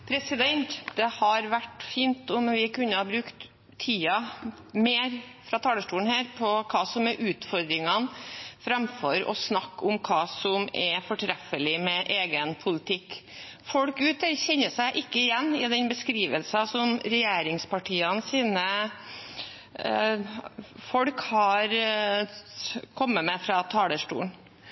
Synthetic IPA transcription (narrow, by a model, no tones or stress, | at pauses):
pʰɾɛsɪd̪ɛnt̪d̪̥ɛhɑɾʋæʈːfiːnt̪ʊmʋɪkʉnːəhɑbɾʉkt̪ʰː | iːɑ | meːɾ | fɾɑt̪ʰɑːləʂʈuːn̩hæːɾpʰɔkʰɑːsɔmɛɾʔʉːt̪fɔɾd̪ɾɪŋɑnfɾɑmfɔɾɔ̰snɑkːʊmkʰɑːsɔmɛfɔʈʰɾɛfəlɪmɛʔeːɡənpʰʊlɪt̪ʰɪkː | fɔɽkʉːt̪əɾçɛnːəsæɪʔɪkːəɪjɛnːɪd̪ɛnbəskɾiːʋəlsɑsɔmɾɛjeːɾɪŋspɑʈʰiːɑnsiːnə | fɔɽkhɑɾ | kʰɔmːəmɛfɾɑt̪ʰɑːləʂʈṵːn